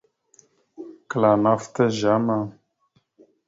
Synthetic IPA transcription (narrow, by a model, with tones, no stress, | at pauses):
kla˨na˦ft̪a˦ʒa˦ma˨